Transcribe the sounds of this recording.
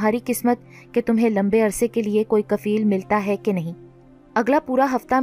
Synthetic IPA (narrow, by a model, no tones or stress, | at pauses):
ɦaːɾiqɪsmət̪̚ | ket̪ʊmɦẽlɐ̃mbeɐɾsekeliekoːikɐfiːlmɪlt̪aɦɛkenɐɦĩː | ɐɡlapuːɾaɦɐft̪a